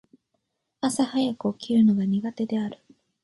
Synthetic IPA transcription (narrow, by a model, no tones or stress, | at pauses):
asahajakɯ̟okʲiɾɯ̟no̞ɡaɲ̟iɡat̪e̞d̪e̞aɾɯ̟